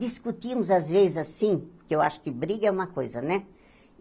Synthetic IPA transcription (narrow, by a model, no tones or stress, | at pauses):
d̪iskut̪imzazʋeːzasinkɛʋaʃkibɾiɡamakojzanɛ